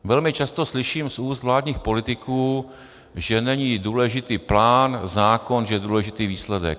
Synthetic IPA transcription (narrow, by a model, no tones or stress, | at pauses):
vɛlmɪt͡ʃast̪o̞slɪʃiːmsʔuːst̪vlaːdɲiːxpo̞lɪt̪ɪkʰuː | ʒɛnɛɲiːduːlɛʒɪt̪iːplaːnzaːko̞nʒɛjɛduːlɛʒɪt̪iːviːslɛdɛ̰k̚